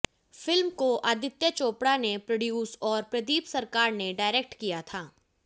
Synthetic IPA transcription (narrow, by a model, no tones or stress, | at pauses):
fɪlmkoʔɐd̪ɪt̪jət͡ʃoːpɽanepɾɐɖjuːsɔːɾpɾɐd̪iːpsɐɾkaːɾneɖaːɪɾek̚ʈkijat̪ʰaː